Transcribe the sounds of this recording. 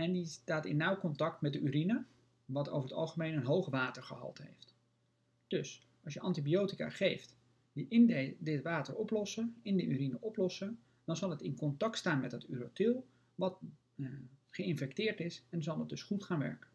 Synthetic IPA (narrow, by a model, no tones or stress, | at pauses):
ɛndistaːtɪ̰nːawkɔntɑk̚tmɛdəyɾinə | ʋɑto̰wvəɹətɑ̰lˠχəmejnənɦowχəʋaːtəɹχəɦɑ̰lˠtɦḛjft | d̥ɵs | ɑlˠsjəʔɑntibiowtika̰ːχejft | diʔɪndədɪtʋaːtəɹɔplɔsəɪndəʔy̰ɾinəʔɔplɔsə | d̥ɑnzɑlˠətɪnkɔntɑk̚tstaːnmɛdətyɾotɪlˠ | ʋɑt | χəɪnfɛk̚tɪːɹtɪsɛnzɑlˠdət̚dɵsχutχaːnʋɛ̰ɹkən